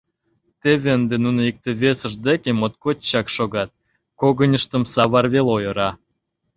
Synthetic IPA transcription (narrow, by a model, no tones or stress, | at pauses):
t̪eβeənd̪enunəik̚t̪ĕβesəʒd̪ekemot̪̚kot̪t͡ɕɑkʃoɣɑt̪̚ | koɣənʲəʃt̪ə̆msɑβɑrβelojə̆ɾɑ